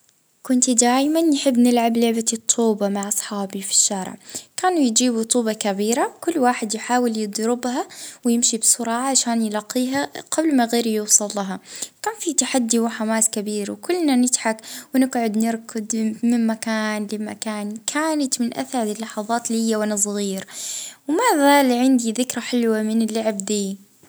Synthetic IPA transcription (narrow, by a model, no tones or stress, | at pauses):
kʊnt̪d̪aːjmanːħɪbːnɪlʕablʊʕbat̪ˤʰːuːbɑmaʕʔɑsˤħɑːbifi̥ʃːaːɾɪ̰ʕkaːnujɪd͡ʒiːbut̪ˤuːbɑkabiːɾawkʊlːwaːħɪd̪jħaːwɪljɨd̪ˤɾɪbhawjɪmʃibsʊɾˤɑːʕaʕaʃaːnjɪlɑqːiːɦaɡ̥ablmaɣeːɾjuwsˤɑlːɑɦɑkaːnfit̪aħad̪ːiwɪħamaːskabiːɾwkʊlːnanɪt̪ħakwnɪɡʕʊd̪nɪɾkʰʊd̪mɪmmakaːnlɪmakaːnkʰaːnat̪mɪnʔa̰θaɾlɪlːɑħɑðˤɑːt̪lihɪjːawanas̬ˤɣiːɾwmaːðalʕɪnd̪iðɪkɾaħɪlwamɪnɪlːaʕɪbd̪iː